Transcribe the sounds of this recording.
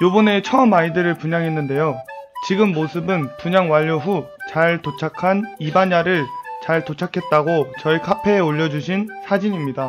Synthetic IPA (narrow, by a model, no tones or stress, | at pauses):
jobʌne̞t͡ɕʰʌʌmaidɯɾɯɭpuɲaŋɦe̞nːɯnde̞jot͡ɕiɡɯmːosʰɯbɯnpuɲaŋwaʎːoɸu | t͡ɕaɭtot͡ɕʰakʰanibaɲaɾɯɭt͡ɕaɭtot͡ɕʰakʰe̞t̚t͈aɡot͡ɕʌikʰapʰe̞ːoʎːʌd͡ʑuɕʰinsʰad͡ʑiɲimɲida